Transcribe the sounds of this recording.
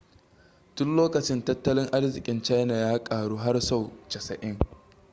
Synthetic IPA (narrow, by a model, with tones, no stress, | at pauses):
tʊ˦nloː˦kɐ˨t͡ʃɪ˦ntɐ˦tːɐ˦lɪ˦ŋʔa˦rzɪ˨kʲʼɪ˦nt͡ʃa˦jna˨jaː˦kʼaː˨ɽuː˦ɦa˦rsa˦˨wt͡ʃɐ˨sɐ̰˨ʔɪ˦ŋ